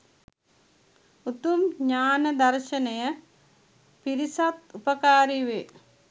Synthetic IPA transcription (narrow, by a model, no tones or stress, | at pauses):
ut̪umɲaːnəd̪ɐrʃɐnɐjə | piɾisat̪upəkaːɾiʋe